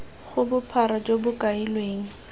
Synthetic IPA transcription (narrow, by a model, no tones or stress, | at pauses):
χʊbʊpʰaɾɔd͡ʒobʊkʼailweːŋ̩